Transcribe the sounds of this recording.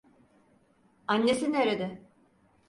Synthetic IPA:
anːesineɾed̪ɪ

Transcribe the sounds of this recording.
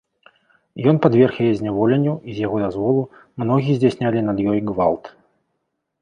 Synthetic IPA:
jɔnpad̪vʲɛrxjajɛzʲnʲavɔlʲɛnʲːuizʲjaɣɔd̪azvɔlˠumnɔɣʲiɛzʲd͡zʲasʲnʲalʲinɐd̪jɔjɡva̰lˠt̪

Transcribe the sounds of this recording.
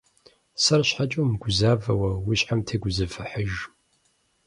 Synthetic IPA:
sɐrɕħat͡ʃʼumɡʷʊzaːvɐwɐwiɕħamtʰeːɡʷʊzɨfɨħəʒ

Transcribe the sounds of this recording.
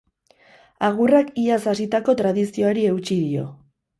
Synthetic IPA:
aɣurakiasasit̪ako̞t̪ɾaðisio̞aɾie̞ut͡ʃiðio̞̰

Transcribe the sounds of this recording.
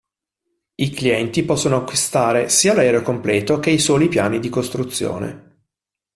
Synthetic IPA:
ikliɛnt̪ipɔsːonoakːwist̪aːɾesiːalɛɾeokomplɛːt̪ok̟eisɔːlipja̰ːnid̪ikost̪ɾut̪sːjo̰ːnḛ

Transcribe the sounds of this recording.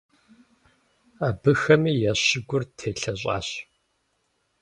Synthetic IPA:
aːbɨxɐmiːjɛɕɪɡʷʊrtʰeːɬɐɕ̬ʼa̰ːɕ

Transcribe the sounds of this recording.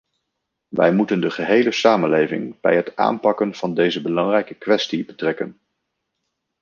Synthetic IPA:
ʋɛ̰jmutəndəχəɦejləsaːmənlejvɪ̰ŋb̥ɛ̰jɦəta̰ːnpɑkənv̥ɑndejzəbəlɑŋrɛjkəkʋɛstibətrɛkən

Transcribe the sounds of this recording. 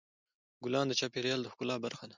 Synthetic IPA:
ɡʊlɑːnd̪ət͡ʃɑːpeɾjɑːld̪əxkʊlɑːbaɾxana

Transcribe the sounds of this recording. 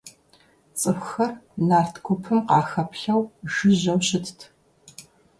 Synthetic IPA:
t͡sʼɨxxɐrnaːrtʰkʷʰʊpʰɨmqɑːxɐpʰɬɐwʒɨʑɐwɕɪtʰtʰ

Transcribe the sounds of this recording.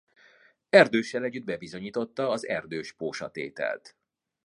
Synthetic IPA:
ɛrd̪øːʃːɛlɛɟːyd̪̚bɛbizo̞ɲiːt̪o̞t̪ːɒːzɛrd̪øːʃpoːʃɒt̪ḛːt̪ɛ̰lt̪

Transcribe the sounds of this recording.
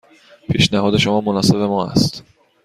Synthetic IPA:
pʰiʃnæɦɒːd̪e̞ʃomɒːmonɒːsebemɒːæ̰st̪

